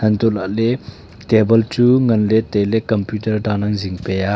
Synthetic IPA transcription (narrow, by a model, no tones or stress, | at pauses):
hɐnt̪ulaʔlɛ | tɛbəlt͡suŋɐnlɛt̪ɛlɛkɔmpjutərdanaŋziŋpɛja